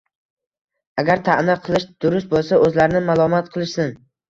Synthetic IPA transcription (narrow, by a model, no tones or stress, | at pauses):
aɡʲaɾt̪ʰaʔnaqʰɨlˠɪʃd̪̥ʊɾʊst̪̚bolˠsaʔɵzlaɾɪnɪmalˠɒmat̪̚qʰɨlˠɪʃsɪn